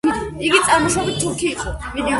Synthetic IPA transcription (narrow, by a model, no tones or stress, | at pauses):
iɡit̪sʼaɾmɔʃɔbit̪t̪ʰːuɾkʰiːqʼɔmid̪i